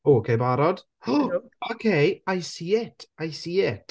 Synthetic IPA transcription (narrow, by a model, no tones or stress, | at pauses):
oːokʰejbaɾɔd̥ | okʰejajsiɛtʰajsiɛtʰ